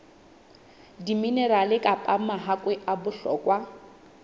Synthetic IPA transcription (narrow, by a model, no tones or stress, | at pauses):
diminɛɾalɪkʼapʼamaɦakʼwɛʔabʊɬɔ̰ːkʼwa